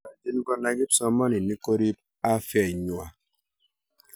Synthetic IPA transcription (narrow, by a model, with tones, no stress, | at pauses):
a˨di˦n˦ɡɔ˦na˨ɡi˦psɔ˦ma˦ni˨ni˦ko˦ɾi˦p̚ | a˦fjɛ˨ɲwa˨